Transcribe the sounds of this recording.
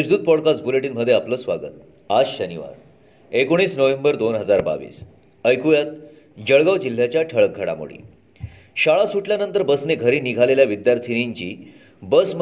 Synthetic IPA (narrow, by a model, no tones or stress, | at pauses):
əd͡ʑd̪uːd̪̚pɔɽkas̚buleʈiːnməd̪ʱːjeapləːsʋaɡə̰t̪̚ | asɕəniʋa̰ɾ | ekoɽ̃iːsnəʋembəɾd̪onɦəd͡zaɾba̰ʋḭːs | əjkujat̪̚ | d͡ʑəɭɡaʋd͡ʑil̤ːjat͡ɕjaʈʰəɭək̚ɡʱəɽa̰mo̰ɽḭː | ɕaɭasuʈljanənt̪əɾbəsneɡʱəɾiːniɡʱaleljaʋid̪jaɾt̪ʰiniɲt͡ɕiː | bəsm